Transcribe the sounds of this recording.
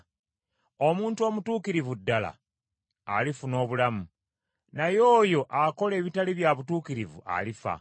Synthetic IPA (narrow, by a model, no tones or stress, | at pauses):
o̞muːntuo̞mutuːkiɾivudːala̰ | a̰lifuno̞ːβulamu | najo̞ːjo̞ʔako̞le̞ːβitaliβjaβutuːkiɾivṵʔa̰lifa̰